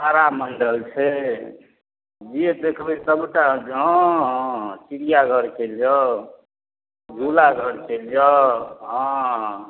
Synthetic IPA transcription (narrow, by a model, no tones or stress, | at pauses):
saɾamənɖəlt͡ʃʰe | d͡ʒied̪ekʰbɛt̪əbʈad͡ʒɦɔ̃ | siɾijaɡʱəɾt͡ʃeld͡ʒɔ | d͡ʒʱulaɡʱəɾt͡ʃeld͡ʒɔɦɔ̃